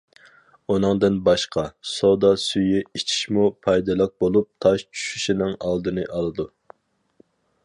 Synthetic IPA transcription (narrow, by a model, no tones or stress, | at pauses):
unɨŋd̪ɨnbɑʃqɑsod̪ɑsyjiit͡ʃʰi̥ʃmupʰɑjd̪ɨlˠəq̚bolˠup̚t̪ʰɑʃt͡ʃʰy̥ʃyʃinɪŋɑlˠd̪ɨnɨʔɑlˠɨd̪u